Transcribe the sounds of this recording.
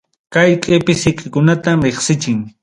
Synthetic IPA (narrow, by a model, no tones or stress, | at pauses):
kajkʼɪpɪsɪkʼɪkʊnat̪amɾeχsɪt͡ʃɪŋ